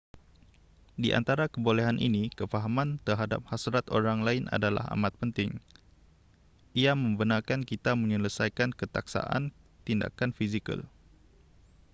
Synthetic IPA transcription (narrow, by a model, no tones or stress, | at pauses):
diʔa̰nt̪aɾakəbolɛɦanʔḭnikəfaɦamãnt̪ərɦada̰p̚hasɾat̪oɾaŋlaɪnʔa̰dala̰ha̰mat̪̚pənt̪ɪŋ | ʔiamə̃mbənarkankit̪amə̃ɲələsajkankət̪aksa̰ʔa̰n | t̪inda̰kanfisikə̰l